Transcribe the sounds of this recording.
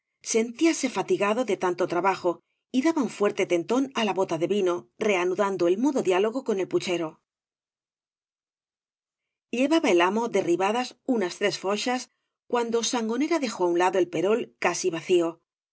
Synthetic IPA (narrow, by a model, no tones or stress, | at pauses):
se̞nt̪iase̞fat̪iɣaðo̞ðe̞t̪ant̪o̞t̪ɾaβaxo̞ | iðaβauɱfwe̞ɾt̪e̞t̪e̞nt̪o̞nalaβo̞t̪aðe̞βino̞re̞anuðand̪oe̞lmuðo̞ðjalo̞ɣ̞o̞ko̞ne̞lput͡ʃe̞ɾo̞ | ʎe̞βaβae̞lamo̞ðe̞riβaðasunast̪ɾe̞sfo̞ʃas | kwand̪o̞saŋɡo̞ne̞ɾaðe̞xo̞aunlaðoe̞lpe̞ɾo̞lkasiβaθio̞